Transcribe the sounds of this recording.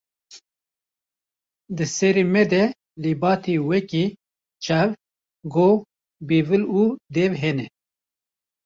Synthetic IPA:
d̪ɨsɛɾiːmɛd̪ɛ | libɑːt̪ʰiwɛki | t͡ʃʰɛv | ɡoː | biːvɨlud̪ɛvɦɛnɛ

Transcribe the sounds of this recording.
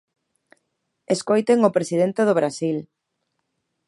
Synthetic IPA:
eskojt̪eŋʊpɾesið̞ent̪eðʊβɾasil

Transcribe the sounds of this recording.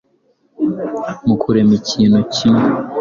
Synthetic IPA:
mukʰuɾemiciːnocin

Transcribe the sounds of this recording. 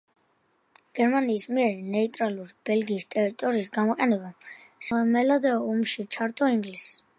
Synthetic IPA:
ɡ̥ɛɾmaniːsmiɛɾinɛit̪ʼɾaluɾib̥ɛlɡiːst̪ʼɛɾit̪ʼɔɾiːsɡamɔqʼɛnɛbasaɛmɛlad̪ɛɔumʃit͡ʃʰaɾt̪ʼɔiŋɡlis

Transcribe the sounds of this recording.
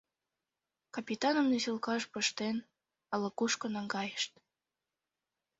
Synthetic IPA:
kɑpʲit̪ɑnəmnesilkɑʃpəʃt̪en | ələkuʃkonɑŋɡɑjəʃt̪

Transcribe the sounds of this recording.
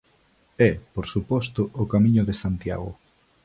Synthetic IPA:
ɛpoɾsupɔst̪ʊʔːkamĩɲʊðesant̪ja̰ɣʊ̰

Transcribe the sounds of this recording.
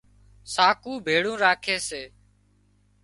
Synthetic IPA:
saːkuːbʱeːɽũːɾaːkʰeːseː

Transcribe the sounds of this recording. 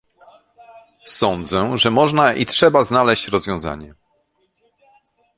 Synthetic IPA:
sɔnd̪zɛʐɛmɔʐnaʔitʂɛbaznalɛɕt͡ɕɾɔzvʲjɔ̃w̃za̰ɲɛ

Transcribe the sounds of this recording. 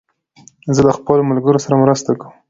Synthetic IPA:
zələxpəlomalɡəɾosaɾamɾəst̪akəm

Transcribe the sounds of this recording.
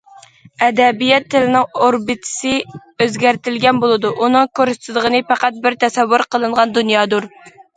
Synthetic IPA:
ɛd̪ɛbijɛt̪ʰːɪlɪnɪŋoɾbɨt̪ʰɪ̥sɨ | øzɡʲæɾt̪ɪlɡʲɛnbolˠɨd̪uʔunɨŋkʰoɾsɪ̥t̪ʰɨd̪ˠəʁənɨpæqæt̪̚bɪɾt̪ʰɛsɛwːuɾqʰəlˠɨɴʁɑnd̪unjɑːd̪uɾ

